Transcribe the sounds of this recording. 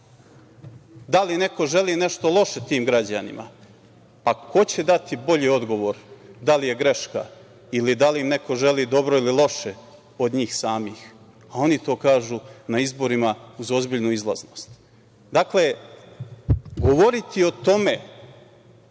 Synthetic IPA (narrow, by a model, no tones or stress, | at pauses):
d̪aline̞ko̞ʒe̞liːne̞ʃt̪o̞lˠo̞ʃe̞t̪iːmɡɾad͡ʑa̰nḭma̰ | pakʰo̞t͡ɕe̞d̪at̪ibo̞ʎiːo̞d̪ɡo̞ʋo̞ɾd̪alije̞ɡɾe̞ʃka̰ | ilid̪aliimne̞ko̞ʒe̞liːd̪o̞bɾo̞ililˠo̞ʃe | o̞d̪ɲiːxsaːmiːx | ao̞nit̪o̞ːkaːʒunaizbo̞ɾimauzo̞zbiʎnuizlˠa̰zno̞st̪ | d̪akle | ɡo̞ʋo̞ɾit̪io̞t̪o̞me̞